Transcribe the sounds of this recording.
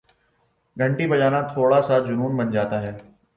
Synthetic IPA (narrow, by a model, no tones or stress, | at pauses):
ɡʱɐ̃ɳʈibɐd͡ʒaːnat̪ʰoːɽasad͡ʒʊnuːnbɐnd͡ʒaːt̪aɦɛː